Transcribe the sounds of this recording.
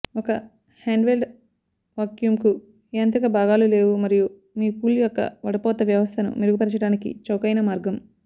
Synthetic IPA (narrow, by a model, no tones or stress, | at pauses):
ɔkɐ | haːɳɖʋelɖ | ʋaːkjumku | eːɐnt̪ɾɐkɐbʱaːɡaːlule̞ːʋumɐɾiju | miːpuːljɔkːɐ̰ʋɐɽɐpɔːt̪ɐʋjɐʋɐst̪ʰɐnṵmiɾuɡupɐɾt͡ʃɐɽaːnikḭt͡ʃɐwkɐjnɐmaːɾɡɐm